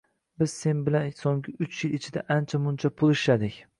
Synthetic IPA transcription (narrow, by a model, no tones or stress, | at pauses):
bɪz̥se̞nbɪlansoŋɡɪʊt͡ʃʰjɪlɪt͡ʃʰɪd̪aʔant͡ʃʰamʊnt͡ʃʰapʰʊlˠɪʃad̪ɪkʲ